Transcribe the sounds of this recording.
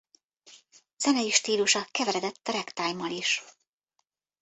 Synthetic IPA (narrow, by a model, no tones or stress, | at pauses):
z̥ɛnɛjiʃt̪iːluʃɒkɛvɛɾɛd̪ɛt̪ːɒɾɛkt̪aːjmɒliʃ